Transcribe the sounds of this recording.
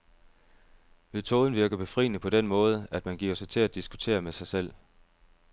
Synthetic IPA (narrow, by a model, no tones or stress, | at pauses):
met͡sʰo̝ːð̞ˠn̩ʋiɐɡ̥ɐb̥e̝fʁḭːnəpʰɒ̽d̥enmɔ̽ːð̞̩ˠæd̥mænɡ̥iːɐ̰sɑ̈ɪt͡sʰe̝læd̥isɡ̥u̥t͡sʰe̝̰ːɐmesɑ̈ɪsel̰